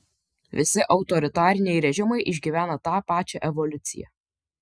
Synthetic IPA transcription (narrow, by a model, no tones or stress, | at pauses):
ʋʲɪsʲɪʔɒʊt̪ɔɾʲɪt̪ɑːɾʲɪnʲɛɪɾʲɛʒʲɪmɐɪʔɪʒʲɡʲiːʋʲæːnɐt̪ɑːpɑːt͡ʃʲɛːʔɛʋɔlʲʊt̪sʲɪ̰jɛ̰